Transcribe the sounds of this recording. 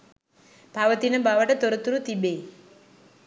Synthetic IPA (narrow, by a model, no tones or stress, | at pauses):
b̥ʱaʋət̪inəbaʋəʈət̪ɔɾət̪ɾut̪ibe